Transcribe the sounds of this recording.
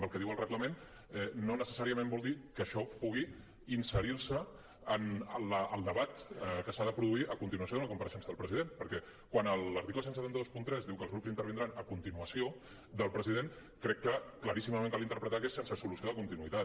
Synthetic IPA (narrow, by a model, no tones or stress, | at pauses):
mbəlˠkəðiwəlrəɣləmen | ɛnonəsəsaɾiəmẽmbɔlˠd̪ikəʃɔpuɣ̞i | insəɾiɾsəː | nləəlˠd̪əβat̪kəsaðəpɾuðuiʔəkunt̪inuəsjoðunləkumpəɾəʃɛnsəðəlˠpɾəzið̞enpəɾkɛ | kwanəlˠəɾt̪ikləsensət̪ant̪əðospunt̪ɾɛzðiwkəlˠzɣɾupzint̪əɾβind̪ɾanəkunt̪inuəsio | d̪əlˠpɾəziðen | kɾɛkːəkləɾisiməment̪əlint̪əɾpɾət̪akɛsensəsulusioðəkunt̪inuit̪a